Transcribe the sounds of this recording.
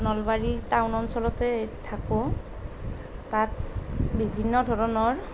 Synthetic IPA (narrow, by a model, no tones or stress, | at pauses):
nɔlbaɹitawnɔnsɔlɔtɛtʰakʊ | tat̚bibʱinːɔdʱɔɹɔnɔɹ